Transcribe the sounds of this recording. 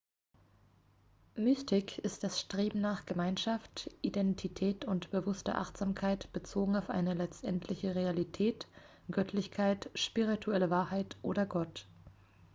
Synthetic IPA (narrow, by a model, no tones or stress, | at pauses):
mystʰɪkʰɪst̚d̥asʃtʁ̥eːbm̩naːχɡ̥əmaɪnʃaftʔidɛntʰitʰɛːtʊntb̥əvʊstɐ̰ʔa̰χtz̥aːmkʰaɪtb̥ət͡soːɡŋ̩aʊfʔa̰ɪnəlɛt͡stʔɛntʰlɪçəʁealitʰɛːt | ɡ̥œtʰlɪçkʰaɪtʃpiʁ̞itʰuɛləvaːɐhaɪtʔoːɾɐɡɔt